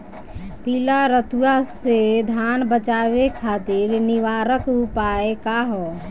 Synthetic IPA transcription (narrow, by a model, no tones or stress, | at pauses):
piːlaɾət̪ujased̪ʱaːnbət͡ʃaːwekʰaːt̪ɪɾnɪʋaːɾəkupaekaɦɔ